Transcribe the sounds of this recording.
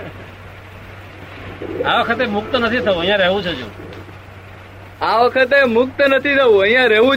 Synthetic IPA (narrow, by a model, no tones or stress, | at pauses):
aːʋəkʰət̪eːmʊk̚t̪nət̪ʰiːt̪ʰəũːəĩjãːɾeːɦʋũːt͡ʃʰod͡ʒṵ̃ː | aːʋəkʰət̪̬eːmʊk̚t̪nət̪ʰiːt̪ʰəʋũːəĩjãːɾeːʋũː